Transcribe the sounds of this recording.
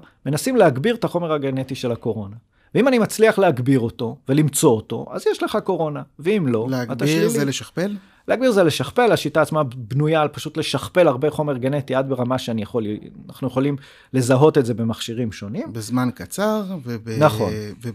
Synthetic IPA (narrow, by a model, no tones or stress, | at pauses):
me̞nasimle̞aɡbiʁetaχo̞me̞ʁhaɡene̞tiʃe̞lako̞ʁo̞na | veimanimat͡sliaχleaɡbiʁo̞to̞ve̞limt͡so̞ːto̞̰ʔa̰zjeʃle̞χako̞ʁo̞naveimlo̞leaat̪aizeleʃaχpel | leaɡbiʁzeleʃaχpe̞laʃitaːt͡smabnujaːlpaʃut̪le̞ʃaχpe̞laʁbeχo̞me̞ʁɡene̞tiadbeʁamaʃeanijaχo̞lnaχnujeχo̞lim | le̞zaɦo̞t̪e̞ze̞be̞maχʃiʁimʃo̞nimbezmankat͡saʁvebenaχo̞̰nve